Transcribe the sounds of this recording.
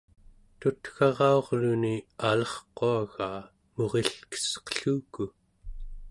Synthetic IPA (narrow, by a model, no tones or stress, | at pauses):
t̪ut̪xɑʁɑo̞ʁlunialʌχqoaɣaː | moʁeɬkə̥sqə̥ɬuːku